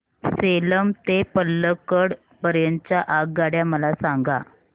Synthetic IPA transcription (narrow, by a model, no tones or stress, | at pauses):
seləmt̪epəlːəkəɽ | pəɾjənt͡ɕjaʔaɡ̚ɡaɽjaməlasaŋɡa